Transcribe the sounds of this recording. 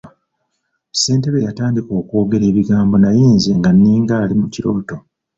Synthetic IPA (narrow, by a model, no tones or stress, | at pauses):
se̞ːnteβejataːndiko̞ːkwo̞ːɡe̞ɾe̞ːβiɡaːmbo̞najiːnzeŋɡanːiːŋɡaːlimuciɾo̞ːto̞